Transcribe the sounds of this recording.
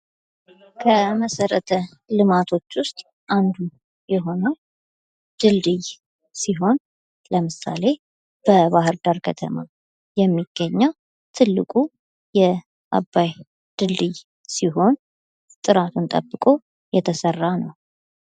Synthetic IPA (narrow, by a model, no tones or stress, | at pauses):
kʰəməsəɾət̪ʰə | lɨmat̪ʰo̞t͡ʃːwʊst̪ʼ | ʔand̪u | jɛɦo̞nəw | d̪̥ɨld̪ɨj | siɦo̞n | ləmɨsa̰le̞ | b̥əbahɨɾd̪aɾkʰət̪ʰəma | jɛmːiɡ̥ːəɲːaw | t̪ʰɨlːɨkʼu | jɛ | ʔa̰bːaj | d̪̥ɨld̪ɨj | siɦo̞n | t̪ʼɨɾat̪ʰunt̪ʼə̰bːɨkʼo̞ | jɛt̪ʰəsərːanəw